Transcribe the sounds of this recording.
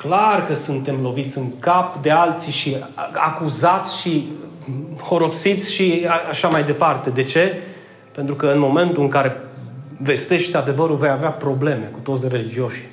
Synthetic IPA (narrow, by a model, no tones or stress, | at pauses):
klarkəsunt̪e̞mlo̞vit̪sʲɨŋkapd̪e̞alt̪siʃia̰kuzat̪sʲʃi | ho̞ɾo̞psit̪sʲʃiaaʃamajd̪e̞part̪e̞d̪e̞t͡ʃe̞ | pe̞nt̪ɾukəɨnmo̞me̞nt̪uɨŋkaɾe̞ve̞st̪e̞ʃt̪ad̪e̞vəɾuve̞javeapɾo̞ble̞me̞kut̪o̞t̪sʲre̞lid͡ʒio̞ʃi̥